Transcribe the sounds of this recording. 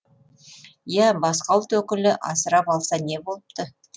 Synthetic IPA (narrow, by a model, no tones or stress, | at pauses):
jæbɑsqɑlˠt̪wɵkʲɪlɪʔɑ̰səɾɑpɑlˠsɑne̞bo̞lˠəp̚t̪ə